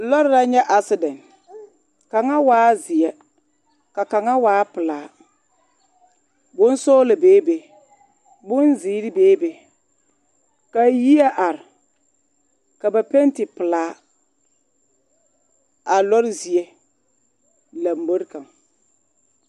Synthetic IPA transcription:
lɔ˦ɾɪ˦ɾa˦ɲɛ˦ʔa˦sɪ˦dɛ˨n | ka˨ŋa˦waː˦zɪ˨ɛ˦ | ka˨ka˨ŋa˦waː˨˦pɪ˨laː˨˦ | bʊ˦n˦sɔː˦la˨beː˨˦be˨ | bʊ˦nziː˨˦ɾɪ˦beː˦be˨ | ka˨ji˦a˦ʔa˨ɾɪ˨ | ka˨ba˨pe˦n˦tɪ˨pɪ˨laː˨˦ | a˨lɔ˦ɾɪ˦zi˨e˦ | la˨m˦bo˦ɾɪ˦ka˨ŋ

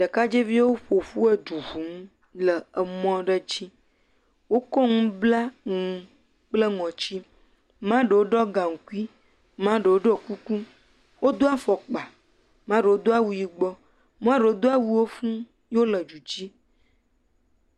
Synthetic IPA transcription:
ɖə˨ka˦d͡ʒe˦vi˦a˦wo˦ɸo˨fu˦e˦ɖu˨ɦu˨ŋ˦ | lə˨ə˨mɔ̃˦ɖə˦t͡ɕi˦ | wo˦kɔ˦ŋũ˦bla˦ŋũ˨ | k͡plə˦ŋɔ̃˨t͡ɕi˦ | mã˦ɖə˨wo˦ɖɔ˦ɡã˨ŋ̩˨ku˦i˦ | mã˦ɖə˨wo˦ɖɔ˦˨ku˦ku˦ | wo˦d̪o˦a˦fɔ˨k͡pa˨ | mã˦ɖə˨wo˦d̪o˦a˦wu˨ji˨ɡ͡bɔ˦ | mã˦ɖə˨wo˦d̪o˦a˦wu˦wo˦fũ˦ | jo˦lə˨d͡ʒu˨d͡ʑi˦

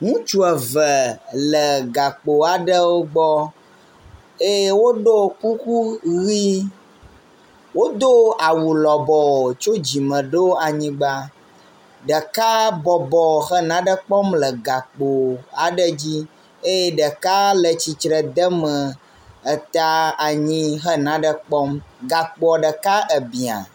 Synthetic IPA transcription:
ŋũ˦t͡ʃu˦ə˨və˨lə˨ɡa˨k͡po˨a˨ɖə˦wo˦ɡ͡bɔ˦ | e˦je˦wo˦ɖo˦ku˦ku˦ɣi˦ | wo˦d̪o˦a˨wu˨lɔ˨bɔ˨o˨t͡ʃo˦d͡ʑi˨mə̃˨ɖo˦a˨ɲĩ˦ɡ͡ba˦ | ɖə˨ka˦bɔ˨bɔ˨xə˦nã˦ɖə˦k͡pɔ˦mlə˨ɡa˨k͡po˨a˨ɖə˦d͡ʑi˦ | e˦je˦ɖə˨ka˦lə˨t͡ɕi˨t͡ʃɾə˨d̪ə˦mə˨ | ə˨t̪a˦a˨ɲĩ˦ɦə˦nã˨˦ɖə˦k͡pɔ˦mɡa˨k͡pɔ˨ɖə˨ka˦ʔə˨bi˨a̰˨

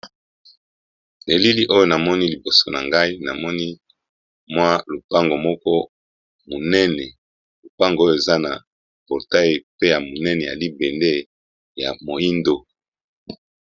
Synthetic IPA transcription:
de˨li˦li˦ʔo˦jo˦na˨mɔ˦ni˦li˨bo˨so˨na˨ŋɡa˦i˦na˨mɔ˦ni˦ | mwa˦lo˨pa˦ŋɡo˨mɔ˦kɔ˦ | mo˨nɛ˦nɛ˨ | lo˨pa˦ŋɡo˦jo˨e˨za˦na˨ | pɔ˨ʁta˦e˨pe˦ja˨mo˨nɛ˦nɛ˨ja̰˨li˦bɛ˨nde˦ | ja̰˨mo˨i˦ndo˦

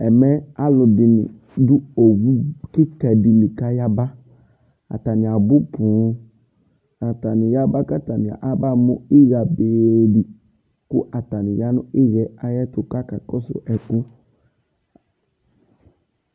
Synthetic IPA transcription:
ɛ˨mɛ˦a˦lʊ˨dɪ˨nɪ̰˨ | dʊ˦o˨wu˦kɪ˦kɛ˨dɪ˨lɪ˨ka˦ja˦ba˦ | a̰˨ta˨nɪ̃˨a˨bʊ˦pʊ̃˨˦ | a˨ta˨nɪ˨ja˦ba˦ka˦ta˨nɪ˨a̰˨ʔa˦ba˦mʊ˦ɪ˦ɣa˨be˨dɪ˨ | kʊ˦ʔa˨ta˨nɪ˨ja˦nʊ̃˦ɪ˦ɣɛ˨˦a˦jɛ˦tʊ˨ka˦ka˨kɔ˦sʊ̰˨ʔɛ˨kʊ˦

